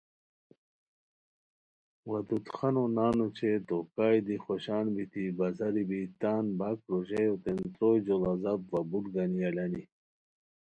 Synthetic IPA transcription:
wɐd̪ut̪xɐnonaːnut͡ɕʰet̪okaːjd̪ixoɕaːnbit̪ibɐzɐɾibit̪aːnbak̚ɾoʑejot̪ent̪ɾoːjd͡ʑolɐzabvɐbuʈɡɐniɐlɐni

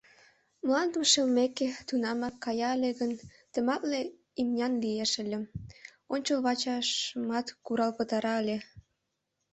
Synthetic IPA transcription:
mlɑnd̪əʃelmeket̪unɑmɑkːɑjɑəlʲeɣən | t̪əmɑt̪le | imnʲɑnlijeʃəlʲem | onʲt͡ɕəlβɑt͡ɕɑʃəmɑt̪kuɾɑlpət̪ɑɾɑəlʲe

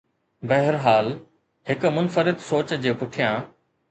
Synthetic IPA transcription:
bɛɦɾɦaːl | ɦɪkmʊnfəɾɪt̪soːt͡ɕd͡ʑeːpʊʈʰijãː

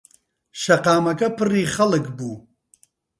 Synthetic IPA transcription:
ʃɐqaːmɐkɐpʰɨriːχɐlɨkbuː

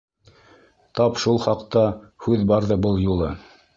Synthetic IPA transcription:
t̪ɑpʃulˠχɑqt̪ɑhʉðbɑɾðɤbɤlˠjulˠɤ

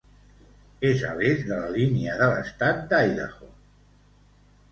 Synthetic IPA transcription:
ezə̰βezðələliniəðələ̰st̪at̪̚d̪ajðə̰xo

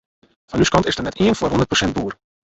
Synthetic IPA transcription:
fɔnyskɑntɪsdərnɛtiənfoːrɦɔndər̚prosɛnt̚buːər

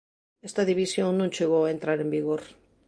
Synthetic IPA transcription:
est̪aðiβ̞isjo̞ŋnũnt͡ʃeɣ̞oaent̪ɾaɾe̞mbiɣ̞oɾ

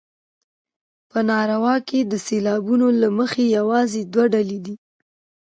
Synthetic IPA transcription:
pənɑɾawɑked̪əselɑbunolaməxejawɑzed̪waɖaled̪i

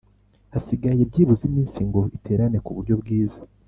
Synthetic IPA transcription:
hasiɡaje̞bɟiːβuzimiːnsiŋɡo̞itʰe̞ɾane̞kuβuɾɟo̞bɡiːzḁ

